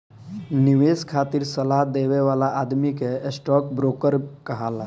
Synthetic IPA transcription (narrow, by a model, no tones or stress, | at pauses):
niʋeskʰat̪iːɾsəlad̪eʋeʋalaʔad̪mikesʈɔk̚bɾokəɾkəɦala